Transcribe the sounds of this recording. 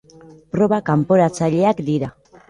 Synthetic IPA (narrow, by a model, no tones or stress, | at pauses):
pɾo̞βakampo̞ɾat͡saʎe̞akd̪iɾa